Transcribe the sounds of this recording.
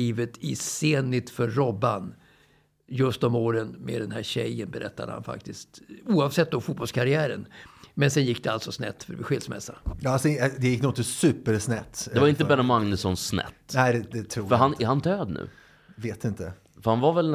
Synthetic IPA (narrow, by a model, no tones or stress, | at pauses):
iːvət̪ʰɪseːnlɪt̪fœːɔbːan | jɵst̪ɔmoːɾənmḛd̪ɛnhæɾɕɛ̰jːənbɛɾʔɛ̰t̪ːad̪ə̰ha̰nfa̰k̚t̪ɪst̪uːavsɛt̪̚ːd̪ɔfuːbɔlskʰaɾɪæːɾə̰nmɛnsɛnjɪkːd̪ɛalsɔsnɛ̰t̪ːfœɾvɪɧɪlsmɛ̰sːajɑsd̪ɛjɪkːnunt̪ɪsʉːpəɾsnɛt̪ːd̪ɛvaɾɪnt̪əbɛɾamaŋnʉsɔnsnɛ̰t̪ːnæɪd̪ɛd̪ɛt̪ʰɾufœɾɦanɛhand̪øːd̪nʉ̟̰ː | veːt̪ɪnt̪ə | fœɾhanvavɛl